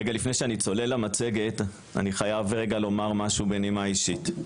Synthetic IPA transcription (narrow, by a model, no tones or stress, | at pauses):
eɡalifnejʃeanit͡so̞le̞lamat͡se̞ɡe̞t | a̰niχajavʁe̞ɡalo̞maʁmaʃubenimaiʃit